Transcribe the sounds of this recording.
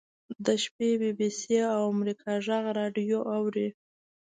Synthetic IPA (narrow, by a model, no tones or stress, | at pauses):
d̪əʃpebibiseawamɾikʰɑʒaɣɾɑɖjoʔawɾi